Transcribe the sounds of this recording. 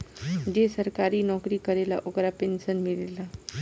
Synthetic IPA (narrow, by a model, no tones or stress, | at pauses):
d͡ʒesəɾkaːɾinɔːkɾikɐɾelaʔokɾapeːnsənmɪleːla